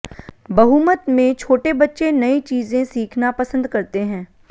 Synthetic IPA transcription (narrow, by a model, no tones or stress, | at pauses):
bɐɦuːmət̪mẽt͡ʃʰoːʈebɐtːʃenɐit͡ʃiːzẽsiːkʰnapɐsə̃nd̪kɐɾt̪eɦɛ̃ː